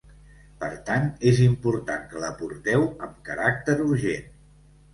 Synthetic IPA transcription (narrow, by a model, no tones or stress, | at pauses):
pəɾt̪anezimpuɾt̪aŋkələpuɾt̪ɛwəmkəɾak̚t̪əɾuɾʒen